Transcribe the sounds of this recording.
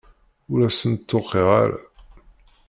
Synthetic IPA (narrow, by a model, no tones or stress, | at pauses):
uɾæsənt̪ːoqːeʁa̰ɾæ̰